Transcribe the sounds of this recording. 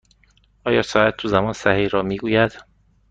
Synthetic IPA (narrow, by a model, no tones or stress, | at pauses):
ʔɒːjɒːsɒːæt̪ʰːuzæmɒːnsæhiːhɾɒːmiːɡuːjæd̪̥